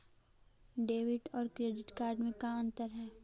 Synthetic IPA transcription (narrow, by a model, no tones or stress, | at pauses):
ɖeːʋɪʈɔːɾkɾeːɖɪʈkaːɾɖmẽkaɐ̃nt̪əɾɦɛː